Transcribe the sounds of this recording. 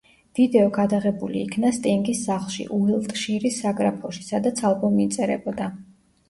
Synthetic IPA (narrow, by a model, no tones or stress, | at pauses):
d̪̥id̪ɛɔɡad̪aʁɛbulḭːkʰnast̪ʼiŋɡisːaχlˠʃḭʔuɛlˠt̪ʼʃiɾisːaɡɾapʰɔʃi̥sad̪at̪sʰalˠkʰʼɔmiːt̪sʼɛɾɛ̰bɔd̪a